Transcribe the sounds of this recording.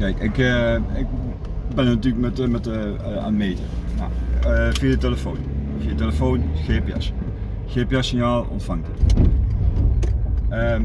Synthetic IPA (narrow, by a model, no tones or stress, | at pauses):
kɛjkɪkəɪk | bɪnnatyːləkmɛtmɛt | a̰nmeːtə̰ja̰əfiəəteləfoːn | fiəəteləfoːnxeːpjɛ̰s | xeəpjasɪnjaːlˠɔ̰ntfaŋdət | ə